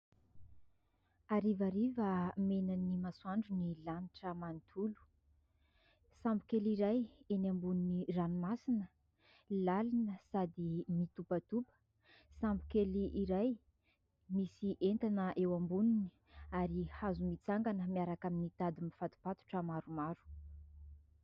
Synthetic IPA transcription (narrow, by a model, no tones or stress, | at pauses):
aɾivaɾivəmenanimasuaɳɖ͡ʐunilaniʈ͡ʂəmanit̪ʰulu̥ | sambu̥keliɾajenambuniniranumasinə | lalinəsad̪imit̪upət̪upə̥ | sambu̥keliʔiɾaj | misiʔent̪anəʔewambunini | aɾihazumit͡saŋɡanəmiaɾakaminit̪ad̪imifat̪u̥pat̪u̥ʈ͡ʂəmaɾumaɾu̥